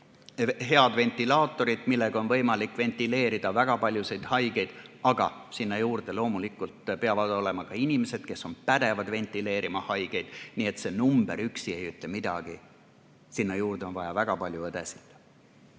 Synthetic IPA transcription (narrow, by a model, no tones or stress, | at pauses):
ɦe̞ɑd̪ve̞nt̪ːˑilɑːt̪ːˑo̞ɾid̪̥milːeɡ̥ɑo̞nvɤjmɑlikˑve̞nt̪ːˑile̞ːɾid̪̥ɑvæɡ̥ɑpɑlʲjuse̞jd̪̥hɑjɡe̞jd̪̥ɑɡ̥ɑ̰sinːɑjuːɾd̪̥elo̞ːmulikːˑult̪peɑvɑd̪̥o̞le̞mɑkɑinʲimese̞d̪̥ke̞sːo̞npæd̪e̞vɑd̪ve̞nt̪ːˑile̞ːɾʔimɑhɑjɡ̥e̞jd̪̥niːe̞t̪se̞numb̥e̞̰ɾyksie̞jyt̪ˑːemid̪̥ɑ̰ɡ̥i | sinːɑjuːrd̪eo̞nvɑjɑvæɡ̥ɑpɑlʲjued̪esi̥t̪ˑ